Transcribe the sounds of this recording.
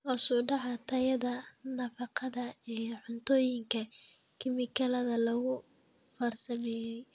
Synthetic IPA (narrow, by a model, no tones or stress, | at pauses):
ʔɔsuːɖɑʕɑt̪ʰɐjɐðɐnɐfɑqɑðɐijħʊnt̪ʰɔːjɪŋkʰɐ | kʰɪmɪkʰɐlɐðɐlɐɣʊ | fɐrsɐmɛːjɛj